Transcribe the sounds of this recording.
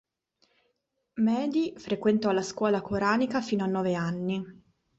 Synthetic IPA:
mɛːd̪ifɾekwent̪ɔlːaskwɔːlakʰoɾaːnikafiːnoanːɔːveanːi

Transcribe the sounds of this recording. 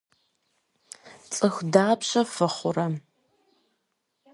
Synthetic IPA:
t͡sʼɨxʷdaːpɕɐfɨχʷʊrɐ

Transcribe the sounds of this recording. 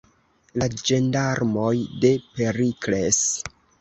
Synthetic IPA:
lad͡ʒe̞ndaɾmo̞jde̞pe̞ɾikle̞s

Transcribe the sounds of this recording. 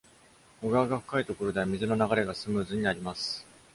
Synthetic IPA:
oɡaːɡaɸɯ̟̥kait̪o̞ko̞ɾo̞d̪e̞amʲizɨno̞naɡaɾe̞ɡasɨmɯ̟ːzɨɲ̟iaɾʲimasɨ̥

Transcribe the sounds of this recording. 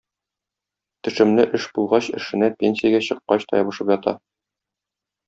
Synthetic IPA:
t̪ɘ̆ʃɘ̆mlɘʔɘʃbulˠʁɑɕɘ̆ʃɘ̆næpʲenʲsʲijaɡæɕɤ̆qːɑɕt̪ɒ̰jɒbɤ̆ʃɤpjɒt̪ɑ̰

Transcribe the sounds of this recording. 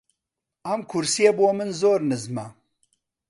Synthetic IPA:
ɐmkʰʊɾsijeboːmɨnzoːɾnɨzmɐ

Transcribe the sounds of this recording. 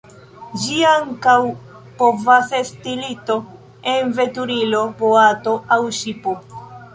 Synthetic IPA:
d͡ʒiaŋkaw | po̞vasestilito̞ | enve̞tuɾilo̞poato̞awʃipo

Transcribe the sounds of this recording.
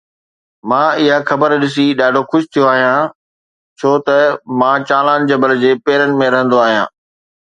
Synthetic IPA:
mãːɪɦaxɐbəɾɗɪsiɗaːɖʱoxʊʃɪ̥t̪ʰijoaːɦijãː | t͡ɕʰoːt̪ɐmãːt͡ɕaːlaːnd͡ʑɐbəld͡ʑeːpeːɾənɪ̆mẽɾɐɦə̃nd̪oaːɦijãː

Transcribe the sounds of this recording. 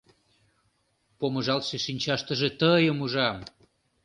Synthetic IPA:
poməʒɑlʃeʃinʲt͡ɕɑʃt̪əʒet̪əjəmuʒɑm

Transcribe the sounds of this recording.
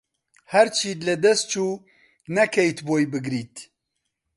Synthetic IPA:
hɛɾt͡ʃʰiːlɛd̪ɛst̪̚t͡ʃʰuː | nɛkʰɛjt̪boːjbɨɡɾiːt̪

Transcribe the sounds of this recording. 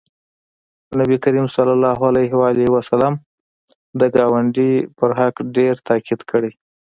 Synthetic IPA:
nabikaɾimsalalːɑɦalajɦwaliwasalɑm | d̪əɡɑwaɳɖipəɾɦakɖeɾt̪ɑkʰid̪kʰəɽej

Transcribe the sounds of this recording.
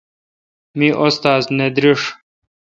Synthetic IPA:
miʔost̪aːzned̪ɾiʂ

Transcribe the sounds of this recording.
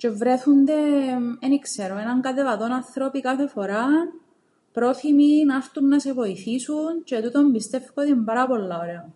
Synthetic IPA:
t͡ʃe̞vɾeθund̪e̞enikseɾoenɐŋkɐt̪elɐt̪o̞nɐnθɾopikɐθe̞fo̞ɾa | pɾo̞θiminɐft̪unːɐse̞vo̞iθisunt͡ʃet̪ut̪ombist̪e̞fkot̪imbɐɾɐpo̞lːɐoɾe̞o

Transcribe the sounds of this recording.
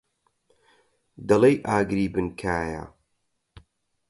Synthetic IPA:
d̪ɐlejʔaːɡɾiːbɨnkʰaːja̰

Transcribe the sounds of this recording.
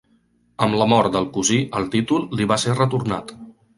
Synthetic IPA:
əmləmɔɾt̪d̪əlˠkuziʔəlˠt̪it̪ulˠːiβaserət̪uɾna̰t̪

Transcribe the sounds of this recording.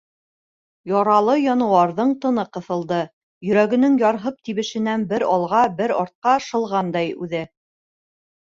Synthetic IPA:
jɒɾɑlˠɤjɒnɤ̆wɑɾðɤɴt̪ɤ̆nɤqɤ̆θɤ̆lˠd̪ɤ | jɵ̆ɾæɡɘ̆nɘŋjɒɾɦɤp̚t̪iβɘ̆ʃɘ̆nænbɘɾɒlˠʁɑbɘɾɒɾt̪̚qɑʃɤ̆lˠʁɑnd̪ɑjʉðɘ

